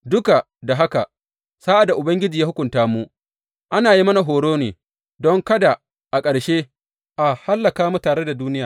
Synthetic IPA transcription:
dʊ˦ka˨ | da˨ɦa˦ka˨ | saː˦ʔa˨da˨ʔʊ˨bɐ˦ŋɡʲɪ˦d͡ʒiː˨ja˦hʊ˦kʷʊ˨ntaː˦mu˦ʔ | ʔa˦naː˨ji˦mɐ˦na˨ɦoː˨ɽoː˦neː˨ | dɔ˦ŋkɐ˦da˨ | ʔa˨kʼɐ˨ɽʃeː˦ | ʔa˨ha˦lːɐ˨kaː˦mu˦taː˨ɽe˦da˨duː˦nɪ˦jaː˨

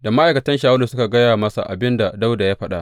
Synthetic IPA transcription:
da˨ma˦ʔa˨jkɐ˨tɐ˦nʃaː˦wɐ˦lu˨sʊ˦ka˨ɡɐ˦jaː˨mɐ˦sa̰˨ʔa̰˨bɪ˦nda˨da˦wda˨jaː˦ɸɐ˦ɗa˨ʔ

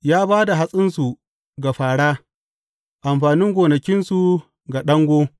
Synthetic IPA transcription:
jaː˦baː˦da˨ɦa˦sʼɪ˦nsu˨ | ɡa˨ɸaː˨ɽaː˦ | ʔa˨mɸaː˨nɪ˦ŋɡʷoː˨nɐ˨kʲɪ˦nsu˨ | ɡa˨ɗɐ˦ŋɡʷoː˦

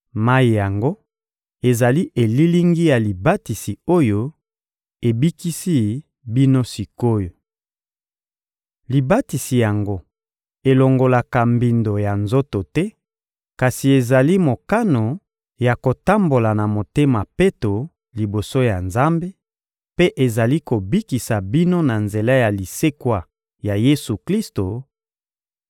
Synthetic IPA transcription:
ma˦i˨ja˨ŋɡo˦ | e˨za˨li˦ʔe˨li˦li˦ŋɡi˦ja˨li˨ba˦ti˨si˨o˦jo˦ | e˨bi˦ki˦si˦ | bi˦no˦si˨ko˦jo˨ | li˨ba˦ti˨si˨ja˨ŋɡo˦ | e˨lo˨ŋɡo˨la˨ka˨mbi˨ndo˨ja˨nzo˦to˨tɛ˦ | ka˨si˨e˨za˨li˦mo˨ka˦no˨ | ja˨ko˨ta˦mbo˨la˨na˨mo˨te˦ma˨pe˦to˨ | li˨bo˨so˦ja˨nza˦mbe˦ | pe˦ʔe˨za˨li˦ko˨bi˦ki˨sa˨bi˦no˦na˨nze˨la˦ja˨li˨se˦kwa˨ | ja˨je˦su˨kli˦sto˨

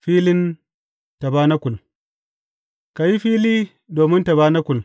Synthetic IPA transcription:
ɸiː˦lɪ˦n | ta˨baː˦na˦kʷʊ˨l | ka˨ji˦ɸiː˦liː˦ | doː˨mɪ˦nta˨baː˦na˦kʷʊ˨l

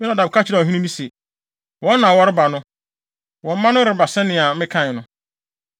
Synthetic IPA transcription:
mɪ˦nã˨da˨bkʰa˦t͡ɕʰɪ˦ɾɛ˨ɦĩ˦nĩ˦mĩ˦se˨ | wɔ̃˨˦nː˦ã˨wɔ˦ɾɪ˦ba˨nʊ̃˦ | wɔ̃˨m̩˦mã˦nʊ̃˦ɾɪ˨ba˨sɛ̃˦nɪ̃˨a˨mɪ̃˦kʰã˦˨nʊ̃˦

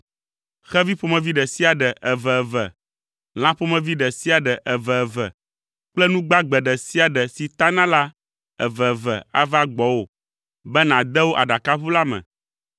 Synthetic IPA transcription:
xɛ˦vi˦ɸo˨mɛ̃˨vi˦ɖɛ˨si˦a˨ɖɛ˨ʔɛ˨vɛ˨ɛ˨vɛ˨ | l̃ã˦ɸo˦mɛ̃˨vi˦ɖɛ˨si˦a˨ɖɛ˨ʔɛ˨vɛ˨ɛ˨vɛ̰˨ | k͡plɛ˦nũ˦ɡ͡ba˦ɡ͡bɛ˨ɖɛ˨si˦a˨ɖɛ˨si˨t̪a˦nã˦la˦ | ɛ̰˨vɛ˨vɛ̰˨a̰˦va˦ɡ͡bɔ˨˦wo˨ | bɛ˦nã˨d̪ɛ˦wo˦ʔa˨ɖa˨ka˦ɸu˦la˦mɛ̰̃˨

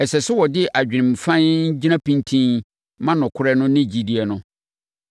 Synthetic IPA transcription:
ɛ˨sɛ˨sʊ˦wɔ˨dɪ˦ʔa˨d͡ʑᶣɪ˨ɪ̃˨mfã˦nɲ̩˦d͡ʑi˦nã˦pĩ˦ntʰĩ˦n | mã˦nʊ̃˨kʰʊ˦ɾɛ˦nʊ̃˦nɪ̃˦d͡ʑi˨di˦˨ɛ˨nʊ̃˦

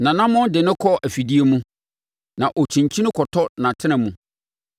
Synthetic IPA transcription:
nã˨nã˦mɔ̃˦ndɪ˨nɪ̃˦kʰɔ˦ʔæ˨fi˨di˦e˦mũ˦ | nã˨ʔɔ˨t͡ɕʰĩ˨ɲt͡ɕʰĩ˦nɪ̃˦kʰɔ˨tʰɔ˦nã˨tʰɪ˦nɪ̃˨mũ˨

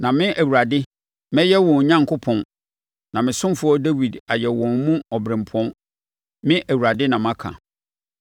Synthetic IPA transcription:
nã˨mɪ̃˦ʔæ˨wu˨ɾa˨dɪ˦ | mɛ̃˦jɛ˦wɔ̃˨n˨ɲã˦ŋ˨kʰʊ˦pʰɔ̃˨n | nã˨mɪ̃˨sʊ̃˦m˦fʊ˦ɔ˦dæ˦wi˨da˨jɛ˨wɔ̃˨nmũ˦ɔ˨bɾɪ̃˨mpʰɔ̃˦n | mɪ̃˦ʔæ˨wu˨ɾa˨dɪ˦nã˨m˦ã˦kʰã̰˨

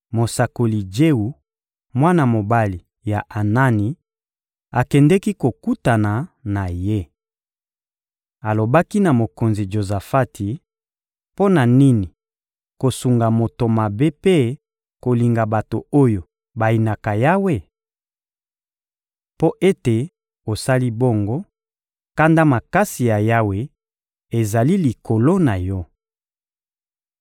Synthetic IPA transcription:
mo˨sa˨ko˨li˨d͡ʒe˦u˨ | mwa˦na˨mo˨ba˦li˨ | ja˨ʔa˨na˦ni˨ | a˨kɛ˨ndɛ˦ki˦ko˨ku˦ta˨na˨na˨je˦ | a˨lo˨ba˦ki˦na˨mo˨ko˨nzi˨d͡ʒo˨za˨fa˦tʰi˨ | po˦na˨ni˦ni˨ | ko˨su˨ŋɡa˨mo˨to˨ma˨be˦pe˦ | ko˨li˨ŋɡa˨ba˨to˨o˦jo˨ | ba˨i˨na˨ka˨ja˦we˦˨ | po˦ʔe˦te˨ | o˨sa˦li˦bo˦ŋɡo˦ | ka˦nda˦ma˨ka˦si˨ja˨ja˦we˦ | e˨za˨li˦li˨ko˨lo˦na˨jɔ˦

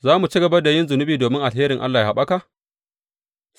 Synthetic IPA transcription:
zaː˦mu˨t͡ʃiː˦ɡɐ˨bɐ˦rda˨jɪ˦nzʊ˨nʊ˦biː˨doː˨mɪ˦ŋʔa˨lɦeː˦ɾɪ˨ŋʔa˦lːaː˨jaː˦˨ha˨ɓa˦ka˨ʔ

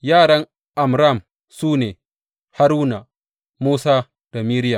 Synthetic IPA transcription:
jaː˦˨ɽɐ˦ŋ | ʔa˨mɾa˦˨m | suː˦neː˨ | ha˦ɾuː˦na˨ | muː˦saː˦ | d̥a˨miː˦ɾɪ˦ja˨

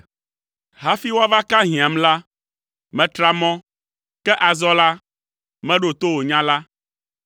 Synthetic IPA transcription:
ɦa˦fi˦wo˦a˦va˦ka˦ɦĩ˨ã˨mla˦ | mɛ̃˨t̪ɾa˦mɔ̃˦ | kɛ˦ʔa˨zɔ˦la˦ | mɛ̃˦ɖo˨t̪o˦wo˨ɲã˦la˦

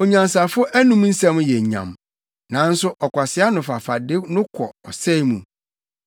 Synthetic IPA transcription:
o˨ɲã˨ns̬a˨fʊ˦ʔæ˦nũ˦m˦n̩˦sɛ̃˦m̃˦jɛ˨ɲã̰˨m | nã˨˦n̩˦sʊ˦ʔɔ˨kʷa˨sɪ˦a˦nʊ̃˨fa˨fa˨dɪ˦nʊ̃˦kʷʰɔ̰˨ɔ˨sɛ˦mṵ̃˨

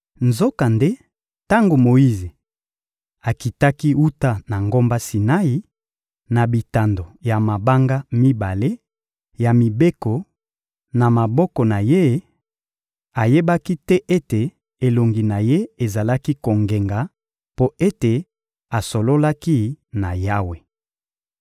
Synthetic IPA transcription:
nzo˦ka˨nde˦ | ta˦ŋɡo˨mo˨i˦ze˨ | a˨ki˨ta˦ki˦u˦ta˦na˨ŋɡo˦mba˦si˨na˦i˨ | na˨bi˨ta˨ndo˨ja˨ma˨ba˦ŋɡa˦mi˦ba˨le˦ | ja˨mi˨be˦kɔ˨ | na˨ma˨bɔ˦kɔ˨na˨je˦ | a˨je˦ba˦ki˦tɛ˦ʔe˦te˨ | e˨lo˨ŋɡi˨na˨je˦e˨za˨la˦ki˦ko˨ŋɡe˨ŋɡa˨ | po˦e˦te˨ | a˨so˨lo˦la˦ki˦na˨ja˦we˨

